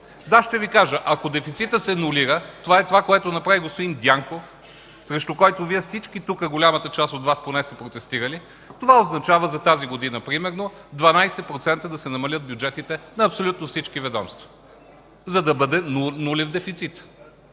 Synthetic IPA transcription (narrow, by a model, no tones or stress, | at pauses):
d̪aʃt̪ɛvikaʒəʔɐkod̪ɛfit̪sit̪əsɛnuliɾət̪ovaɛt̪ovakoɛt̪onɐpɾaviɡospod̪ind̪ʲjaŋkof | sɾɛʃt̪ʊkɔjt̪oviɛfsit͡ʃkit̪ukəɡolʲamət̪ət͡ʃast̪ot̪vasponɛsɛpɾot̪ɛst̪iɾəli | t̪ovaoznɐt͡ʃavəzɐt̪aziɡod̪inəpɾimɛɾnod̪vɐnajsɛpɾot̪sɛnt̪əd̪ɐsɛnɐmɐlʲət̪̚bʲjud͡ʒɛt̪it̪ɛnɐːpsolʲut̪nofsit͡ʃkivɛd̪ɔ̰mst̪vɐ | zɐd̪ɐbəd̪ɛnulʲɛvd̪ɛfit̪sit̪